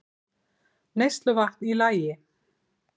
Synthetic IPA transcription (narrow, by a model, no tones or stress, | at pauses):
nejst̪lʏvaht̪nilaːjɪ